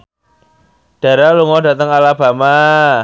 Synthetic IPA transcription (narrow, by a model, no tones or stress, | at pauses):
d̥a̤ɾaluŋɔda̤t̪əŋalab̥a̤ma